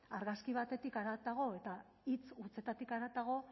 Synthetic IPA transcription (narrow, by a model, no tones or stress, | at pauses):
aɾɣaskiβ̞at̪e̞t̪ikaɾat̪aɣo̞e̞t̪a | it͡sut͡se̞t̪at̪ikaɾat̪aɣ̞o̞